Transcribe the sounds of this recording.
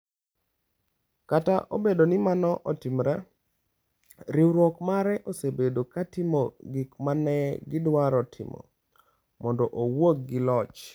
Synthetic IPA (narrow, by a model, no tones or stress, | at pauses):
kataʔobedonɪmanɔʔɔtimɾa | ɾiwɾwɔkmaɾɛʔosebedokatɪmoɡɪkmanɛɡɪdwaɾɔtʰɪ̰mɔ̰ | mɔndɔʔowok̚ɡɪlɔt͡ʃ